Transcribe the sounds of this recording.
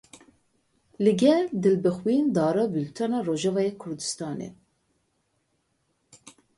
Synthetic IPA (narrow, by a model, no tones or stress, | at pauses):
lɨɡɛld̪ɨlbɨxwiːnd̪ɑːɾɑbylt̪ʰɑnɑroːʒɑvɑːjekʰʊɾd̪ɨst̪ɑːnḛ